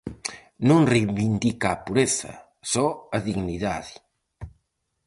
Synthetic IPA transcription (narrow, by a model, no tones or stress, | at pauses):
nũŋrejβind̪ikapuɾeθa̰ | sɔaðiɣniða̰ði